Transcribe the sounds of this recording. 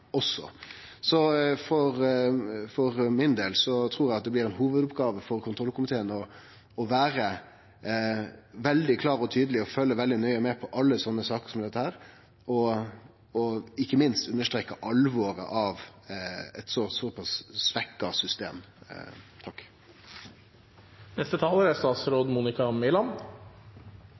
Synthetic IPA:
ɔsːɔ̰ | sɔfɔɾ | fɔʁmɪnd̪eːlsɔt̪ʰʁuːɾæɪɑt̪̚d̪ɛb̪lɪɾɛnɦuːʋəd̪ʊpɡɑːʋəfɔɾkʰʊnʰɾɔlkʊmɪt̪ʰeːənɔ | ɔʋæːɾə | ʋɛld̪ɪkʰlɑːɾɔt̪ʰyːd̪əlɪɔfœlːəʋɛld̪ɪnœʏəmɛːpʰɔʔɑlːəsɔnːəsɑːkəʁsɔmd̪ɛt̪ːəhæːɾ | ɔ | ɔɪkːəmɪnst̪ʉnːəʂt̪ɾeːkːəʔɑlʋɔɾə̰ʔɑʋ | ɛt̪sɔsɔpʰɑsːʋɛkːɑsʏst̪ḛːm | t̪ʰɑkː | nɛst̪ət̪ʰɑːləɾæst̪ɑːt̪sɾoːd̪muːnɪkɑmɪlɑm

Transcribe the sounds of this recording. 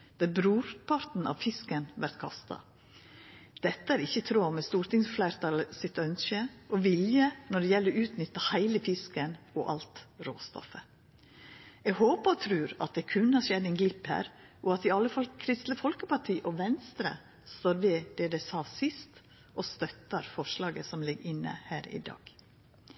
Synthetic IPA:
d̪̥ɑbɾuːɾpʰɑɾt̪n̩ɑ̰ʋfɪskənʋæɾt̪kʰɑ̰st̪ɑ̰ | d̪̥ɛt̪ːəæɾɪçːət̪ʰɾoːmɛst̪uːɾt̪ɪŋsflæɪɾt̪ʰɑləsɪt̪œnskəʔɔʋɪljənɔɖɛjɛlːəʉːt̪nʏt̪ːɑhæɪləfɪskənɔʔɑ̰lt̪ɾo̰ːst̪ɔ̰fə | ɛɡɦoːpəɾɔt̪ʰɾʉːɾɑ̰t̪̚d̪ɛkʰʉnhɑɾʂɛd̪ɛnɡlɪphæ̰ːɾ | ʔɔɑt̪ɪɑlːəfɑlkʰɾɪst̪ləfɔlkəpɑʈʰiːʔɔʋɛnst̪ɾə̰ | st̪oːɾʋɛd̪̥ɛd̪ɛsɑːsɪst̪ | ʔɔst̪œt̪ːəɾfɔʂlɑːɡəsɔmlɪɡɪnːə̰hæːɾɪ̰d̪ɑ̰ːɡ̥

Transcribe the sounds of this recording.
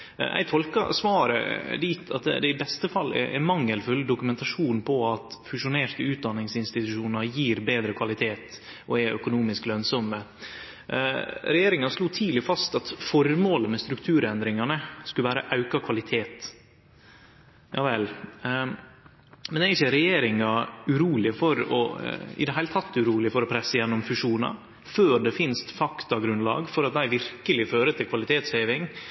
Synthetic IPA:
ʔæ̰ɪt̪ʰɔlkɑ̰sʋɑːɾə̰liːt̪ʰɑt̪̚d̪ɛ̰d̪ɛɪbɛst̪əfɑlːɛ̰ʔɛ̰mɑŋːəlfʉld̪ʊkʉmɛnt̪ɑʂuːnpʰɔɑt̪fʉʂʊneːɾʈ̪əʉːt̪̚d̪ɑnːɪŋsɪnst̪ɪt̪ʉʂuːnəɾjiːɾbeːd̪ɾəkʰʋɑlɪt̪ʰeːt̪ | ʔɔɛœ̰kʊnuːmɪsklœnsɔmːə | ɾɛjeːɾɪŋɑʂluːt̪ʰiːlɪfɑst̪ɑt̪fɔɾmoːləmɛst̪ɾʉkt̪ʰʉːɾɛnd̪ɾɪŋɑnəskʉləʋæːɾəʔɑʉkɑkʰʋɑlɪt̪ʰeːt̪ | jɑ̰ːʋɛl | mɛnɛɪçəɾɛjeːɾɪŋɑʉɾuːlɪfɔɾɔ̰ɪ̰d̪ɛɦæɪlət̪ʰɑt̪ːʉɾuːlɪfɔɾɔpʰɾɛsːəjɛnːɔmfʉʂuːnɑ̰ | føːd̪ɛfɪnst̪fɑkt̪ɑɡɾʉnlɑ̰ːɡfɔɾɑt̪̚d̪æɪʋɪɾkəlɪføːɾət̪ʰɪlkʰʋɑlɪt̪ʰeːt̪sheːʋɪŋ

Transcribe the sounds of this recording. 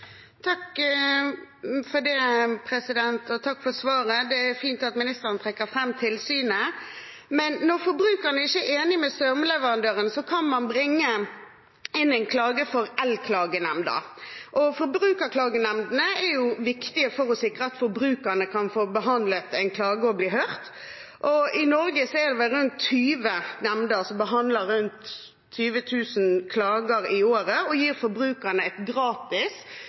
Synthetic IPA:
t̪ʰɑk | fɔd̪ɛpʰɾɛsɪd̪ɛnt̪ɔt̪ʰɑkːfɔsʋɑːɾəd̪ɛæɾfiːnt̪ɑt̪mɪnɪst̪əɾənət̪ʰʁɛkːəɾfɾɛmːt̪ʰɪlsyːnə | mɛnːɔʁfɔɾbɾʉːkəʁnəæɛɾɪçːəæeːnɪmɛst̪œʁmlɛʋəʁɑnd̪øːɾənsɔkʰɑnmɑnbɾɪŋːə | ɪnɛɪnkʰlɑːɡəfɔɾɛlkʰlɑːɡənɛmd̪ɑ̰ɾʔɔfɔɾbɾʉːkəɾkʰlɑːɡənɛmd̪ənəɛɾjʊʋɪkt̪ɪəfɔɾɔsɪkːɾəɑt̪fɔɾbɾʉːkənəkʰɑnfoːbəɦɑnd̪lət̪ɛɪnkʰlɑːɡəɔbliːhœʁt̪ | ʔɔɪnɔɾɡəsɔɛɾd̪ɛʋɛlɾʉnt̪ʰːyːʋənɛmnd̪əsɔmbəɦɑnd̪ləɾʉnt̪ʰː | yːʋət̪ʰʉːsənkʰlɑːɡəɾɪoːɾəɔjiːɾfɔɾbɾʉːkənəɛt̪ɡɾɑːt̪ɪs

